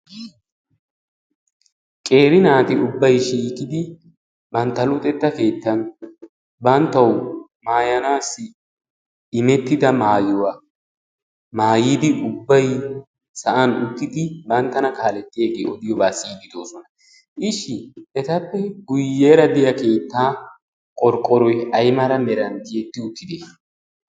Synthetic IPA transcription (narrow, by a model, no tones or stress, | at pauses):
kʼe̞ːɾɪnaːt̪ɪʊbːɐjʃiːkɪd̪ɪ | bɐnt̪ːɐlʊt̪ʼɛt̪ːɐke̞ːt̪ːɐn | bɐnt̪ːɐw | maːjɐnaːsːɪ | ɪmɛt̪ːɪd̪ɐmaːjɔwa | maːjiːd̪ɪʊbːɐj | sɐʔɐnʊt̪ːɪd̪ɪbɐnt̪ːɐnɐkaːlɛt̪ːɪjeːɡeːɔd̪ɪjɔbaːsiːd̪ɪd̪o̞ːsɔnɐ | ʔɪʃːɪɛt̪ɐpːɛɡʊjːeːɾɐd̪ɪjɐke̞ːt̪ːaː | kʼɔɾkʼːɔɾɔjɐjmɐɾɐmɛɾɐnt̪ɪɛt̪ːɪʊt̪ːɪd̪eː